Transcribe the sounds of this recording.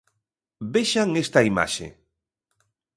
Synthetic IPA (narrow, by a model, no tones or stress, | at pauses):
beʃaŋest̪ɐima̰ʃḛ